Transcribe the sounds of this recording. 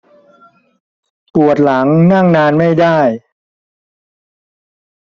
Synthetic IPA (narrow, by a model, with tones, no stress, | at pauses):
pu˨˩ət̪̚la˩˦ŋna˥˩ŋnaː˧nma˥˩jdaː˥˩j